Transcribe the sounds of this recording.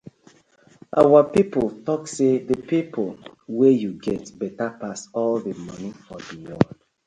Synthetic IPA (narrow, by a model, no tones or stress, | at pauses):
ʔa̰wapipoltɔksedəpipʰolwejuɡɛtbɛtapasɔldəmʌ̃nifɔdiwɔd